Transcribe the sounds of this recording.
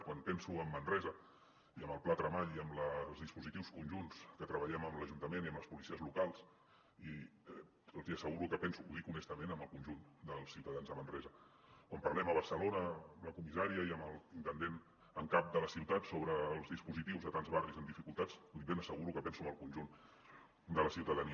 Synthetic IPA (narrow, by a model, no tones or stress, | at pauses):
kwanpɛnsuəmːənrɛzə | iəməlˠplat̪ɾəβaʎiəmləlzðispuzit̪iwskunʲʒunskət̪ɾəβəʎɛməmləʒunt̪əmeniəmləspulisiəzlukalˠs | iɛ | lˠziəsəɣuɾukəpɛnsuuðikunɛst̪əmenəməlˠkunʲʒund̪əlˠsːiwt̪əðanzðəmənrɛzə | kwampəɾrlɛməβ̞əɾsəlonəəmləkumizaɾiəiəməlˠint̪ənd̪en | əŋkap̚d̪ələsiwt̪at̪soβɾəːlˠzðispuzit̪iwzðət̪anzβarizəmd̪ifikulˠt̪at͡suiβenəsəɣuɾukəpɛnsuəmbəlˠkunʲʒun | d̪ələsiwt̪əðəni